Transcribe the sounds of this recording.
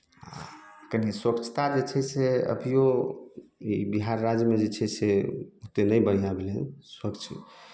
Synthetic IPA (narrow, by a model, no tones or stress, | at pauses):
a̰kəniswəkt͡ʃʰt̪ad͡ʒet͡ʃʰɛseə̰bʱijo | ibiɦaɾːad͡ʒmed͡ʒet͡ʃʰɛseut̪enəjbənijabʱelɛswəkt͡ʃʰmḛ